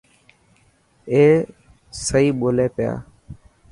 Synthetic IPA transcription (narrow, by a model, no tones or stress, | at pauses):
eː | səiːɓoːleːpɪja̰ː